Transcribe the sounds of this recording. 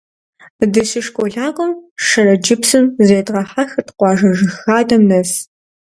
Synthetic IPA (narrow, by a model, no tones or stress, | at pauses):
dɨɕiʂkʷʼoɮaːqʷʼɔmʂɐrɐd͡ʒɪpsɨmzeːdʁɐħaxtqʷɑːʒɐʒɨxaːdɐmnɐs